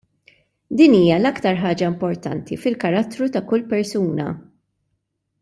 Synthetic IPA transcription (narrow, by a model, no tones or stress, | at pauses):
d̪iːniːjɐlɐkt̪ɐɾħɐːd͡ʒɐɪmpɔɾt̪ɐ̰nt̪ifɪlkɐɾɐt̪ːɾut̪ɐkʊlːpɛɾsuːnɐ̰